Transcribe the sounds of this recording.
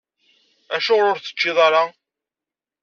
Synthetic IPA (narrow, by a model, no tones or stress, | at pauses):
æʃʊʁlʊɾθə̥t͡ʃːɪðˤɑɾˤɑ